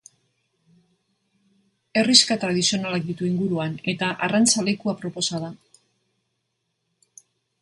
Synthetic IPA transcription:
e̞riskat̪ɾaðisio̞nalak̚d̪it̪uiŋɡuɾuane̞t̪aʔarant͡salekuapɾo̞po̞saða

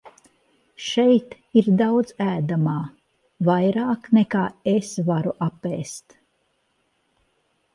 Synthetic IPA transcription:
ʃɛjt̪ | iɾd̪awd̪zæːd̪amaː | vajɾaːknɛkaːesvaɾuʔapːeːst̪

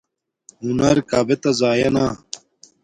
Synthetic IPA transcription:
ɦunɐɾkaːbet̪ɐzaːjɐna

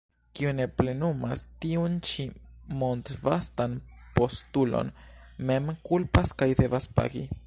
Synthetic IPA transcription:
kiune̞ple̞numastiunt͡ʃimo̞ntvastanpo̞stulo̞̰nme̞mkulpaskajde̞vaspa̰ɡi

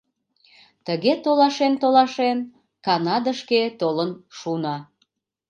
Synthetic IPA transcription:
t̪əɣet̪olɑʃent̪olɑʃen | kɑnɑd̪əʃket̪olənʃunɑ

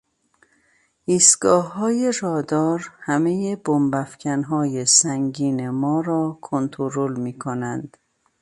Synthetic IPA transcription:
ʔiːst̪ɡ̥ɒːhːɒːjeɾɒːd̪ɒːɾhæmejebombæfcʰænɦɒːjesæŋɡiːne̞mɒːɾɒːkʰont̪ʰoɾolmiːkʰonænd̪̥

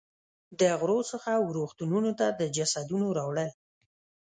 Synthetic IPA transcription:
d̪əɣɾosəxawɾuxt̪ununot̪ad̪əd͡ʒasad̪unoɾawɽəl

